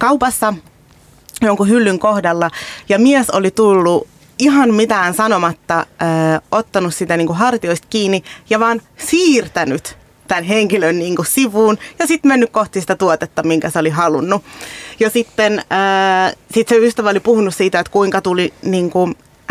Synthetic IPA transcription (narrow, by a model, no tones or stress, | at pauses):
kɑupɑsːɑ | joŋkuhylːyŋkohdɑlːɑjɑmiesolit̪ulːu | iɦɑnmit̪æːnsɑnomɑt̪ːɑəːot̪ːɑnussit̪æniːŋkuɦɑrt̪ioist̪̚kiːnːijɑʋɑːn | siːrt̪ænyt̪ | t̪ænɦeŋkilønniːŋkussiʋuːnjɑsit̪menːykkoht̪isi̥t̪æt̪uot̪et̪ːɑmiŋkæseoliɦɑlunːujɑsit̪ːenəːsit̪seyst̪æʋæolipuhunussiːt̪æet̪kuiŋkɑt̪uliniːŋku